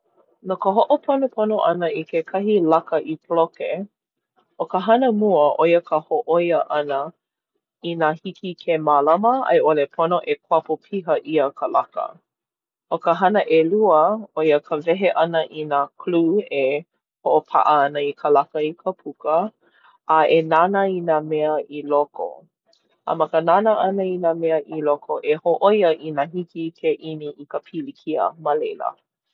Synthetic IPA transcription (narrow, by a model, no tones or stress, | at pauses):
nokəɦoʔopʰonopʰonoʔɐnəikʰekʰɐɦilɐkəʔipʰloke | okəɦɐnəmuəʔojəkʰəhoʔojəʔɐnə | inaːhikʰikʰemalɐməɐ̰jʔolepʰonoʔekʰwapopʰiɦəʔiəkʰəlɐkə̰ | ʔokəɦɐnəʔeluəojəkʰəvɛɦeʔɐnəʔinakʰluːe | hoʔopʰa̰ʔəɐnəikʰəlakəikʰəpʰukə | ʔːʔenanəinamɛəʔiloko̰ | ə̰mɐkənanəʔɐnəinamɛəʔilokʰoʔehoʔojəʔinaɦikikʰeʔiniʔikəpʰilikʰiə̰məlejlə̰